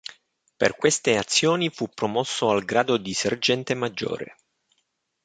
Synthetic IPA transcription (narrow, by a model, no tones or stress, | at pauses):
pḛrkwest̪eat̪sːjoːnifupːɾomɔsːoalɡɾaːd̪od̪iserd͡ʒɛnt̪emad͡ʒːo̰ːɾḛ